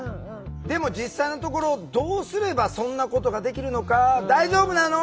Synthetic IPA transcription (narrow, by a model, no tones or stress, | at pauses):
d̪e̞mo̞d͡ʑisːaino̞t̪o̞ko̞ɾo̞ːd̪oːsɨɾe̞basõ̞nːako̞t̪o̞ɡad̪e̞kʲiɾɯ̟no̞kad̪aiʑo̞ːbɯ̟nano